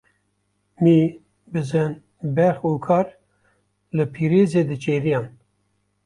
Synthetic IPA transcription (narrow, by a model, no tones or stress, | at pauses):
mi | bɨzɨn | bɛxuːkʰɑːɾ | lɨpʰiːɾeːzeːd̪ɨt͡ʃʰʼeːɾijɑːn